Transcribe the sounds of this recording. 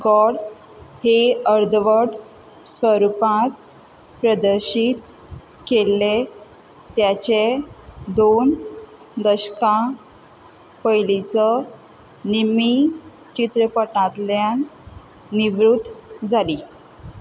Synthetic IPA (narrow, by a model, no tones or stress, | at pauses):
ɡɔɽ | heəɾd̪ʋəʈ | sʋəɾupãt̪̚ | pɾəd̪əɾɕit̪ | kelːe | t̪jat͡ɕed̪on | d̪əɕkã | pəjlit͡sə | nimi | t͡ɕit̪ɾəpəʈãt̪ljanː | iʋɾut̪ːd͡zʱali